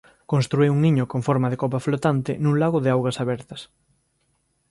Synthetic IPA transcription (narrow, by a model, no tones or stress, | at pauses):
kõnst̪ɾuewuŋiɲʊkõɱfɔɾmɐðɪkɔpɐflot̪ant̪ɪ̰nũŋlaɣʊðɪawɣɐsaβɛɾt̪ɐs